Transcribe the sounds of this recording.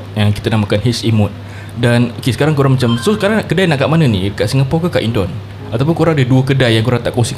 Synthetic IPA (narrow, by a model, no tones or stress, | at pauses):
əkit̪anamakanɦisimʊt̪̚ | danokesə̥kaɾaŋkoɾaŋmat͡ʃamsosəkaɾaŋkədajnaʔkaʔmanənḭəkaʔsiŋɡapɔkakaʔindɔn | at̪awp̬ʊnkoɾaŋadəduəkədajːaŋkoɾaŋt̪aʔkoŋsi